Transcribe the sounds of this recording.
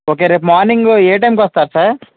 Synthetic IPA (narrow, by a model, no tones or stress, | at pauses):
oːk̬eːɾeːpmaːɾniŋɡeːʈɐjmkʋɐst̪aːɾsɐɾ